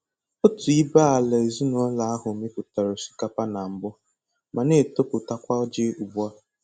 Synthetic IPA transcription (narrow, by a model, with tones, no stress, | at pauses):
ʊ˦tʊ˨i˦ba˦a˨la˨e˨zi˦no˦la˨a˦ɦʊ˨me˦pʊ˨ta˨ɾʊ˨si̥˨ka˦pa˦na˨m̩˨˦bʊ˦ | ma˨ne˦˨to˦pʊ˨ta˦kʷa˦d͡ʒɪ˦u˨bu˦a˦